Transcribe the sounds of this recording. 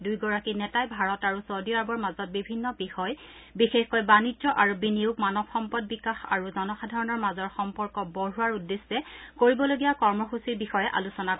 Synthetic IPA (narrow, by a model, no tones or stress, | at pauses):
dujɡɔɹakinɛtajbʱaɹɔtaɹusodiaɹbɔɹmazɔt̚bibʱinːɔbixɔj | bixexkojbanidɔʔaɹobːiniukmanɔbxɔmpɔd̚bikaxa̰ɹuzɔnɔxadʱaɹɔnɔɹmazɔɹxɔmpɔɹkɔboɹɦuaɹudːesːɛkoɹibɔloɡijakɔɹmɔxusibixɔjɛʔa̰lusɔna